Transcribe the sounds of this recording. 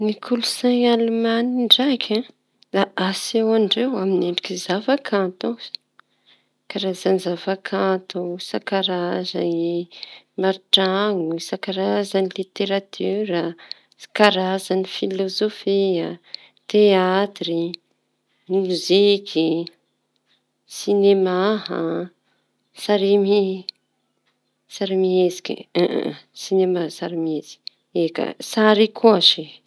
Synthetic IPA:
nikʰulusajalumaniɳɖ͡ʐakʲʰã | d̪aasewaɳɖ͡ʐewamineɳɖ͡ʐikizavakʰant̪u̥ | kaɾazanizavakʰãt̪usakaɾaza̰i | maɾiʈ͡ʂaŋusakaɾazanilit̪eɾat̪ʰyɾə | sḁkaɾazanifilozofia | t̪eat̪ri | mmuzikʰi | sinemaɦa | saɾimi | saɾimiezi̥kḭ | sinemasaɾimezi̥ | ekə̰saɾikʰoaʃi

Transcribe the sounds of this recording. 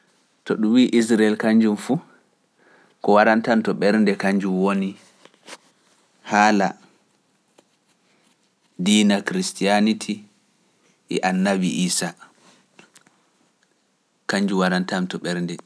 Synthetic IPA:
tɔɗumwiːʔisɾaɛlkaɲd͡ʒumfuː | kɔwaɾantantɔɓɛɾndɛkaɲd͡ʒumwoni | haːla | diːnakɾistijanitʰi | ʔɛ̰ʔanːabiʔiːsa | kaɲd͡ʒuwaɾantamtɔɓɛɾndɛ

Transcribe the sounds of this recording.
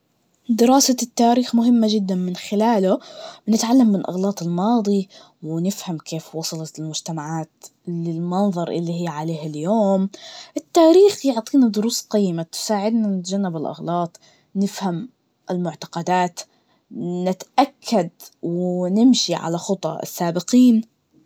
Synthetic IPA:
d̪ɪɾɑːsat̪ːaːɾiːxmʊɦɪmːad͡ʒɪd̪ːanmɪnxɪlaːlʊbnɪt̪ʕalːamːɪnlʔɑ̰ɣlɑːt̪ˤɪlmɑːd̪ˤi | wɪnɪfhamkʰeːfwɑsˤɑlɑt̪ɪlmʊd͡ʒt̪amaʕaːt̪lɪlmɑnðˤɑɾˤʔɪ̰lːiɦiːʕaleːhaljoːmʔɪt̪ːaːɾiːxjʊʕt̪ˤiːnad̪ʊɾuːsqɑjːmat̪ʊ̥saːʕɪd̪nanɪt̪d͡ʒanːabɪlʔɑ̰ɣlɑːt̪ˤ | nɪfham | ʔɪlmʊʕt̪ḁqɑd̪aːt̪ | nɪt̪ʔakʰːad̪wɪnɪmʃiʕa̰laxʊt̪ˤɑ̰ɪ̰sːaːbɪqiːn

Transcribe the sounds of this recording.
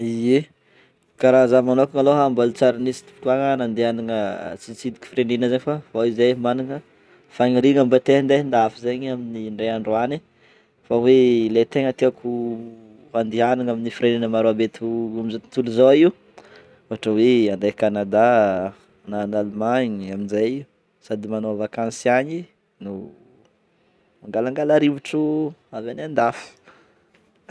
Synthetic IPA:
ie | kaɾazamanokaŋaloɦambalt͡saɾinisi̥t̪u̥pkuaŋənand̪eaniŋət͡sit͡sid̪i̥kʲu̥fiɾenenəzaɲifavoizamaniŋə | faŋiɾiŋambat̪eɦnd̪end̪aafizeɲaminiɳɖ͡ʐeaɳɖ͡ʐoani | fawelet̪eŋət̪eaku | ɦand̪ianiŋaminifiɾeninəmaɾoabet̪umizoit̪uluzoiu | oɦaʈ͡ʂəweand̪ajkanad̪a | nanalmaɲaminzajiu | sad̪imanoavakãnsiaɲi | nu | maŋɡalaŋɡalaɾivuʈ͡ʂuavanand̪afu̥

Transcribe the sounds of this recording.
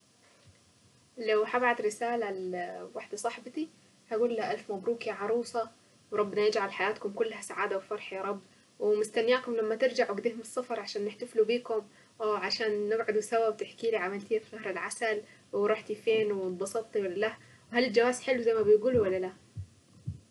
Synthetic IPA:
lawħabaʕat̪ɾɪsaːlawaħd̪asˤɑħbt̪i | haɡuːlːaʔalfmæbɾuːkiʕɑɾˤuːsˤɑ | wɾˤɑbːnɑjɪd͡ʒʕalħajaːt̪kʊmkʊlːhæsaʕaːd̪awfɑɾˤħjɑːɾˤɑbː | wmʊst̪anːjaːkʊmlamːat̪ɪɾd͡ʒaʕwɪɡd̪iːhʊmɨsˤːɑfɑɾˤʕaʃaːnːɪħt̪aflubiːkʊm | ʕaʃaːnːɪbʕʊd̪wsawːabt̪ɪħkiːliʕamalt̪iːfɣɑhɾɪlʕasalwɾˤɑːħt̪ifeːnwɪbɑsˤɑt̪ˤːiwalːala | whalɪld͡ʒawaːzħɪlwzajmæbɪjɡuːlwalːala

